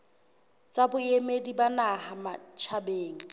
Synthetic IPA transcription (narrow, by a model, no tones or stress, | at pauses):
t͡sʼabʊemedibanahamat͡ʃʰabeːŋ̩